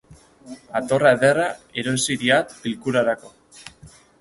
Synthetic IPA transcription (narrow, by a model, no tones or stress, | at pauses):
at̪o̞raeðe̞rae̞ɾo̞siɾiat̪bilkuɾaɾako̞